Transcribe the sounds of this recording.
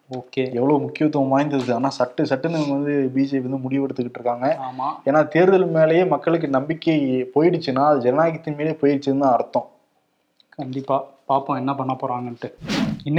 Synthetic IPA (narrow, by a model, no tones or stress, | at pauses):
oːkeːɛʋːɐɭomʊkːɪʋɐt̪ːmaːjɐnd̪ɐɾɯðɯaːnaːsɐʈːɯsɐʈːɯnɐʋɐnd̪ɯbiːd͡ʒɐʋɐnd̪ɯmʊɽɪʋʋɐɽɯt̪ːɯkːɪʈːɾɯkːaːŋɡɐaːmaːeːnːaːt̪eːɾɯðɐlmeːlɐjeːmɐkːɐɭɯk̬ːɯnɐmbɪkːepoːjɪɽɯt͡ʃːɯnːaːɐðd͡ʒɛnaːkɪt̪ːɯnmiːlepoːjɪɽɯt͡ʃːɾɯnd̪ãːɐɾɯt̪ːõ | kɐɳɖɪpːaːpaːpõːɛnːɐpɐɳːnːɐpoːɾaːŋɡɐʈːɯɪnː